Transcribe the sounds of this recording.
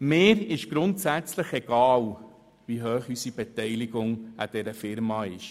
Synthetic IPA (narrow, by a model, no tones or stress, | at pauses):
mɪːɾɪʃɡ̥ɾʊntsæt͡sləχɛɡ̥ɑːl | ʋiɦøːχysib̥ɛtɛjliɡʊŋæd̥ɛɾəfɪɾmɑːɪʃ